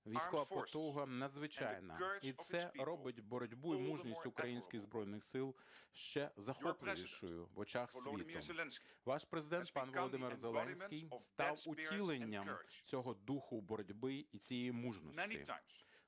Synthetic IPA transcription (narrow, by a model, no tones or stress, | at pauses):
ʋʲijsʲɔʋɐpɔt̪ɔɦɐnɐd̪zʋɪt͡ʃa̰jnɐ̰it̪sɛɾɔbɪtʲbɔɾɔdʲbuimuʒnʲisʲtʲʊkɾɐjinʲsʲkʲɪɣzbɾɔjnɪxsɪlˠ | ʃt͡ʃɛzɐxɔplˠɪjiʃʃʊjʊ̰ʋɔt͡ʃaxsʲit̪ʊ̰ | ʋɑʃpɾezɪd̪ɛnt̪̚pɑnʋɔlˠɔd̪ɪmɪrzelˠɛnʲsʲkʲijst̪ɑwʊtʲilˠenʲːɐmt͡sʲɔɦɔd̪uxʊbɔɾɔdʲbɪit͡sʲijɛjimuʒnɔ̰sʲɪ̰